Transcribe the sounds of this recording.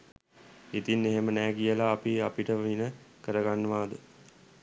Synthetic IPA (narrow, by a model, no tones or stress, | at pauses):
it̪inːeɦemənɛːkijəlaːpiapiʈəʋinəkəɾəɡanːəʋaːd̪ə